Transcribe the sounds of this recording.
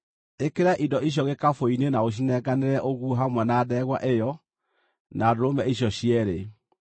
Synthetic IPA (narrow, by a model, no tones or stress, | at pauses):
ekeɾaʔidɔiɕ̬jɔɣekafoinenaoɕ̬inɛɡaneɾɛʔoɣuoɦamwɛnaːðɛɣwa̰ʔejɔ | nadoɾomɛiɕjɔɕiɛɾe